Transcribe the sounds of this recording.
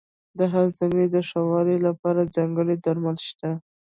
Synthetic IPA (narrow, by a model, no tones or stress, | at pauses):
d̪əɦazaned̪əʂawɑɾelapɑɾad͡zaŋɡəɽed̪aɾmalʃt̪a